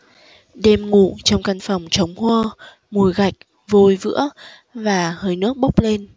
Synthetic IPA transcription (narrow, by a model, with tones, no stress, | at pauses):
ɗɛ˧mŋṵ˧˨t͡ɕɔ˧wŋ͡mka˧nfa˨˩wŋ͡mt͡ɕə˨˦wŋ͡mhwə˧ | mu˨˩əjɣa˨˩jk̚ | vo˧jvɨ̰˧˥ə | vaː˨˩həː˧jnɨ˦˥ək̚ɓə˦˥wk͡p̚le˧n